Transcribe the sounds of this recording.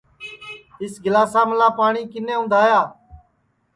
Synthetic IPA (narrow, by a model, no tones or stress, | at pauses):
ɦɪsɡɪlaːsaːməlaːpaːɳiːkɪnẽːʊ̃nd̪ʱaːjaː